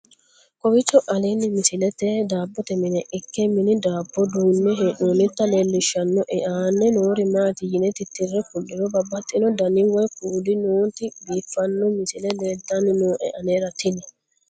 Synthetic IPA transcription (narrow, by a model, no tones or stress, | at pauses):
kʼɔbɪt͡ʃːɔʔɐliːnːɪmɪsɪlɛt̪ed̪aːbːɔt̪ɛmɪnɛʔɪkːɛmɪnɪd̪aːbːɔd̪uːnːɛɦɛʔuːnɪt̪ːɐleːlːɪʃːɐnːɔʔɛʔaːnːɛnoːɾɪmaːt̪ɪjɪnɛt̪ɪt̪ːɪrːɛkʊlːɪnɔbɐbːɐt̪ʼːɪnɔd̪ɐnɪwɔjkuːd̪ɪnoːt̪ɪbiːfːɐnːɔmɪsɪlɛleːd̪ːɐnɪnoːʔɛ̰ʔɐneːɾɐt̪ɪnɛ